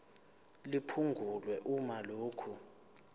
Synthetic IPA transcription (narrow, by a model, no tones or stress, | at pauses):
lipʰuŋɡʱulwɛʔumaloːkʰu